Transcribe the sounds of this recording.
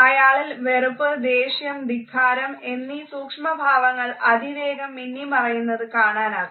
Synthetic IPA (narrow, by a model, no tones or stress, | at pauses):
ɐjaːɭilʋe̞rupːɨd̪eːɕjɐmd̪iɡʱaːɾɐme̞nːisuːkʂmɐbʱaːʋɐŋːɐɭɐd̪ʱiʋeːɡɐmːinːimɐrɐjunːɐðɨkaːɳaːnaː